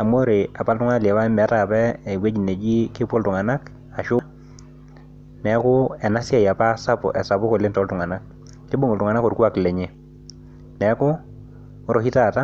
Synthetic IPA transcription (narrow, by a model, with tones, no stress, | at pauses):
a˨mo˦ɾe˨a˨pa˦ltʊ˦ŋa˦˨ljɛ˨wa˦mɛ˨˦ta˦˨pɛː˦˨we˦d͡ʒi˨ne˨d͡ʒi˦kɪ˦po˦ltʊ˨ŋa˨na˦k | a˨ʃʊ˦ | nɛ˨˦kʊ˦ɛ˨na˦sja˦ja˨pa˦sa˦pʊ̰˨ʔɛ˨sa˨pʊ˦ko˨lɪ˦ntɔ˨˦ltʊ˨ŋa˨na˦kː | ɪ˦bo˦ŋo˨ltʊ˨ŋa˨na˦kɔ˨ɾkwa˦kle˨ɲe˦ | nɛ˨˦kʊ˦˨˦ | ɾo˨hi˦ta˨ta˦